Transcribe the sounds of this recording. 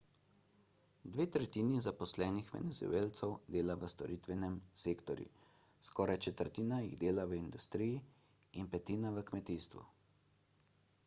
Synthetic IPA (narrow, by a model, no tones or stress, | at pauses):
d̪ʋeːt̪ɾɛt̪iːnizapɔslɛːnixʋɛ̰nɛzṵeːlt̪sɛwd̪eːlaʋəst̪ɔɾiːt̪ʋɛnɛmseːkt̪ɔɾjṵ | skɔɾajt͡ʃɛt̪əɾt̪iːnajiɣd̪eːlaʋəind̪ust̪ɾiji | inpɛt̪iːnaʋəkmɛt̪iːst̪ʋṵ